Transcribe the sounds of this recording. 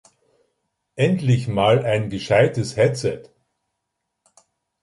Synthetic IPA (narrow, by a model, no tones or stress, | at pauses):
ʔɛntlɪçmaːlaɪnɡəʃaɪtəshɛt͡sɛt